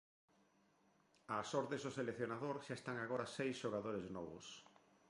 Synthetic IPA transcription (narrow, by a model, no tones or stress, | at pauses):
asɔɾðezðʊselekθjonaðoɾʃaest̪aŋaɣoɾɐsejsʃoɣaðoɾeznɔβʊs